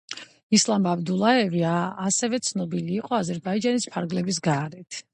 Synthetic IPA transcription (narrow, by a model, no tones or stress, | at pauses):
islˠamabd̪ulˠaɛviaːsɛvɛt̪sʰnɔbiliːqʼɔazɛɾbaid͡ʒanispʰaɾɡlɛbis̬ɡaːɾɛt̪ʰ